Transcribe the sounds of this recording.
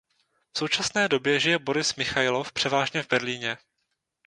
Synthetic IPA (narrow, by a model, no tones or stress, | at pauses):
fso̞wt͡ʃasnɛːdo̞bjɛʒɪjɛbo̞ɾɪsmɪxajlofpr̥ɛvaːʒɲɛvbɛɾliːɲɛ